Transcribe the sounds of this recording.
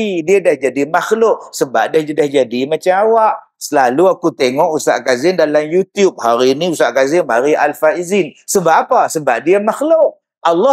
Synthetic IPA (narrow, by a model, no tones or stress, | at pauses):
idiadahd͡ʒadimaxlʊʔsəba̰p̚dahdahd͡ʒadimat͡ʃamawaʔ | səlaluakut̪eŋɔʔusa̰ʔkazɪndalamjut̪jup̚haɾiniusaʔkazɪnmaɾialfaizinsəbaʔapasəbap̚diamaxlʊʔ̚ | ʔalːɔ